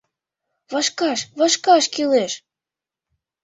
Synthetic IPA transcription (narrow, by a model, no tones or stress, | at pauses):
βɑʃkɑʃβɑʃkɑʃkileʃ